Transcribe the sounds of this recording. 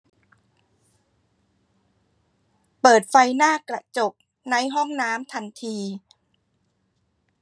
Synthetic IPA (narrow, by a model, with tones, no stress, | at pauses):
pɤː˨˩t̪̚fa˧jnaː˥˩kɾa˧t͡ɕo˨˩p̚ | na˧˥jɦɔ˥˩ŋnaː˦˥mt̪ʰa˧nt̪ʰiː˧